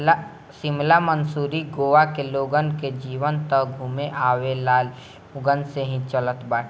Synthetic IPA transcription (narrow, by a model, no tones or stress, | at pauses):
sɪmlamənsuːɾiɡoːʋakeloːɡənked͡ʒiːʋənt̪əɡʱuːmeʔaːwelaːl | ʊɡənseɦĩt͡ʃələt̪baːʈʰ